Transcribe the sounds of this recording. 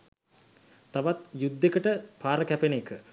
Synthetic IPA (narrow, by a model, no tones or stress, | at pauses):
t̪aʋat̪jud̪ːekəʈəpaːɾəkæpenekə